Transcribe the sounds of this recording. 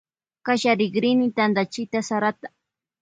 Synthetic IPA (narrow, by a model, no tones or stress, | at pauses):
kaʃaɾɪɡɾɪnɪt̪and̪at͡ʃɪt̪asaɾat̪ḁ